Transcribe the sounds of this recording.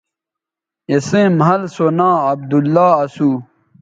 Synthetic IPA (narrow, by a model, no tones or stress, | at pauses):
jesẽmɦɐlsonãːɐb̚d̪ulːaːɐsuː